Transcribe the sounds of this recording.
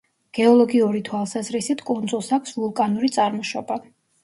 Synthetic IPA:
ɡ̥ɛɔlˠɔɡiuɾit̪ʰwalˠsazɾisit̪ʰkʼɔnd̪zulˠsakʷʰsvulˠkʼanuɾit̪sʼaɾmɔʃɔba

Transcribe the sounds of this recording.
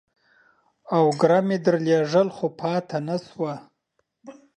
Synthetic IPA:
awɡɾamed̪əɾleʐəlxopʰɑt̪ʰanaswa

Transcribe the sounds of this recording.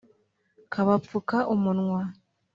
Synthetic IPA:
kʰaβafukaʔumunŋwa

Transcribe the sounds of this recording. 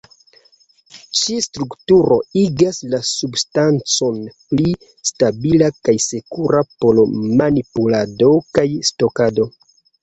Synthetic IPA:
t͡ʃistɾuktuɾo̞iɡaslasubstant͡so̞npli | stabilakajse̞kuɾapolomanipulado̞kajsto̞kado̞

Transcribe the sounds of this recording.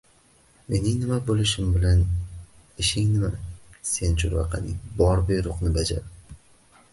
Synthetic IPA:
me̞nɪŋnɪmabolɪʃɪmbɪlan | ɪʃɪŋnɪmase̞nt͡ʃʰʊɾvɑ̰qʰɑ̰nɪ̰ŋbɒɾbejɾʊqnɪbad͡ʒa̰ɾ

